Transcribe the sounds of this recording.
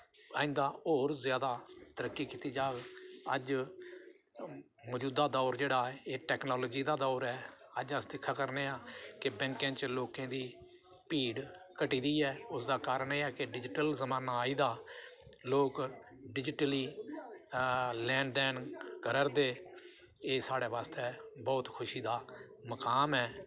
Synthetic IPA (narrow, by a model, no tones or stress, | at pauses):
aːɪ̃nd̪aːoːɾzjaːd̪aːt̪əɾəkːiːkiːt̪iːd͡ʒaːɡə̰d͡ʒ | mɔːd͡ʒuːd̪aːd̪ɔːɾd͡ʒeːɽaːeːʈɛːknɔːloːd͡ʒiːd̪aːd̪ɔːɾɛːəd͡ʒəsd̪ɪkʰːaːkəɾneːaːkɪbɛ̃ŋkẽːt͡ʃloːkẽːd̪iː | piːɽkəʈiːd̪iːɛːʊsd̪aːkaːɾəɳeːɛːkɪɖɪd͡ʒʈəlzəmaːnaːiːd̪aː | loːkɖɪd͡ʒʈliː | lɛ̃ːɳɖɖɛːnkəɾəɾd̪eː | eːsaːɽeːʋaːst̪eːbɔːt̪kʰʊʃiːd̪aː | məkaːmɦɛː